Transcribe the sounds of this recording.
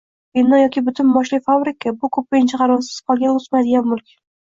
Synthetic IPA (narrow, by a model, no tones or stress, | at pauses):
ɪnːɒjɒkʲɪbʊt̪ʰʊnmɒʃlɪfabɾɪkʰabʊkʰɵpːɪjɪnt͡ʃʰaqʰɑɾɒzɪ̥sqʰɒlˠɡʲanʊzmajd̪ɪɡʲabmʊlˠkʲʰ